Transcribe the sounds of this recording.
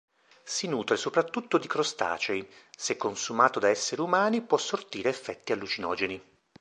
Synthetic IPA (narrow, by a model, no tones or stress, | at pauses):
sinuːt̪ɾesopɾat̪ːut̪ːod̪ikɾost̪a̰ːt͡ʃejsekːonsumaːt̪od̪aɛsːeɾumaːnipwɔsːort̪iːɾeːfːɛt̪ːialːut͡ʃinɔ̰ːd͡ʒeni